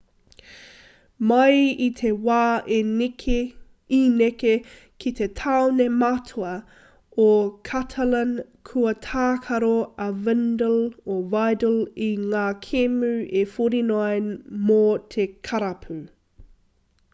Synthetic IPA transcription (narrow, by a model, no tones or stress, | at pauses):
mɐjit̪ʰewaːʔenkʰe | ineke | kʰit̪ʰetʰawnematʰoɐ | okʰatʰɐlɐn | kʰuɐt̪ʰaːkʰɐɾoɐvɛndəlovajdəliŋaːkʰemʉʔefoɾinoemot̪ʰekʰɐɾɐpʰʉ